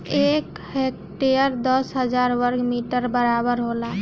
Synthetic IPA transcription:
ek | hek | ʈejəɾd̪ɔsɦəd͡ʒaɾwəɾɡmiʈəɾbəɾabəɾɦola

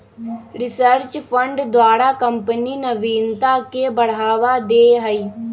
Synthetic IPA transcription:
ɾɪsəɾt͡ʃpʰə̃ɳɖd̪waːɾakə̃mpəninɐʋiːnt̪akebɐɽ̤aːʋad̪eːɦɐi

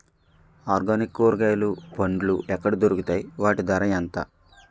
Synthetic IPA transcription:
aːɾɡaːnikːoːɾɡɐjlupɐɳɖluʔɛkːɐɽid̪oɾukut̪aːjiʋaːʈid̪ɐɾɐjɐnt̪a̰ː

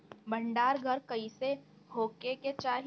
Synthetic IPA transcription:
bɐ̃ɳɖaːɾɡʱɐɾkɐise | hoːkeket͡ʃaːɦ

